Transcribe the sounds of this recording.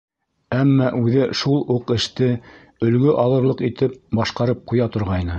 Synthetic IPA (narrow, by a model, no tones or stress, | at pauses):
æmːɑʔʉðɘʃulˠuqɘ̆ʃt̪ɘ | ɵ̆lɡɵʔɑlˠɤ̆ɾlˠɤqit̪ɘp̚bɑʃqɑɾɤp̚qujɑt̪ŏɾʁɑjnɤ